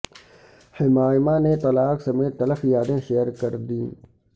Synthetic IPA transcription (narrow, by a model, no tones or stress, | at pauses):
hɪmaːɪmaːnet̪ɐlaːksɐmeːt̪ːɐləfjaːd̪ẽːʃeːəɾkɐɾd̪ĩː